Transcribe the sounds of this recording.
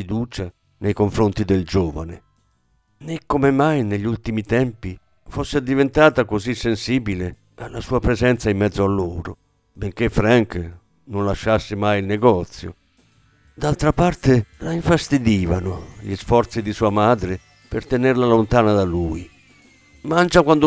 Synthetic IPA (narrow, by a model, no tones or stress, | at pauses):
id̪uːt͡ʃa | nejkoɱfɾont̪id̪eld͡ʒoːva̰ne | nekːomemajneʎːult̪imit̪ɛmpi | fosːed̪ivent̪aːt̪akozisːensiːbile | alːasuːapɾezɛnt̪saimːɛd̪zːoalːoːɾo̰ | beŋk̟efɾaŋk | nonlaʃːasːɪmajilneɡɔt̪sːjo̰ | d̪alt̪ɾapart̪elaiɱfast̪id̪iːvanʊʎisfɔɾt̪sid̪isuːamaːd̪ɾe | pert̪enɛrlalont̪aːnad̪aluj | mant͡ʃakwand̪o